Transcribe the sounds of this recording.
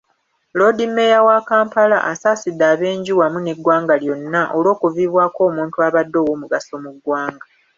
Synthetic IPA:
lo̞dimːe̞jawakaːmpala̰ʔasaːsidːaːβe̞ːɲɟiwamuneɡwaːŋɡaljo̞nːaʔolo̞ːkuviːβwaːko̞ːmuːntuaβadːo̞ːwoːmuɡaso̞muɡwaːŋɡa

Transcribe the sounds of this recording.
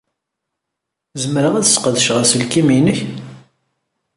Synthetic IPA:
zəmɾəʁæðə̥sqəðʃʁəɾsəlkiminəç

